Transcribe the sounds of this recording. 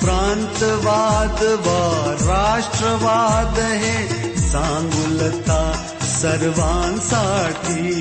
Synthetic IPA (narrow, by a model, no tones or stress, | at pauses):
pɾaːnt̪ʋaːd̪ʋaːɾaːʂʈɾɐʋaːd̪ɦe | saːŋɡulɐt̪ʰaː | sɐɾʋaːnsaːʈʰi